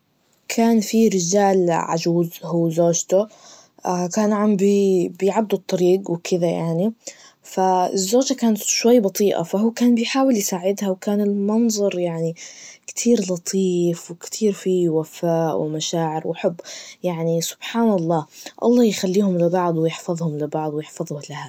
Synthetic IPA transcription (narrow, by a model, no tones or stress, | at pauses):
kʰaːnfiɾɪd͡ʒaːlʕa̰d͡ʒuːzhuːzoːd͡ʒt̪ʊ | akaːnʕambibɪjʕabd̪ʊt̪ˤːɑɾiːɡwɪkʰɪðajaʕni | faɪ̰zːoːd͡ʒakaːnat̪ʃwajːbɑt̪ˤiːʔa̰faɦuːkaːnbɪjħaːwɪljsaːʕɪd̪hawkaːnɪlmɑnzˤɑɾˤjaʕnikt̪ʰiːɾlɑt̪ˤʰiːfwɪkt̪ʰiːɾfiwafaːʔwɪmaʃaːʕɪɾwɪħʊbːjaʕnisʊ̥b̥ħaːnɑlˤːɑːʔɑ̰lˤːɑːjxalːiːhʊmlɪbɑʕd̪ˤwjɪħfɑðˤhʊmlɪbɑʕd̪ˤwɪjɪħfɑðˤʊhlɪha